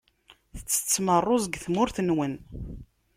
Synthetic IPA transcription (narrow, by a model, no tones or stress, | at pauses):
θə̥t͡sːə̥t͡sːmərˤːozɡθmʊɾθənwən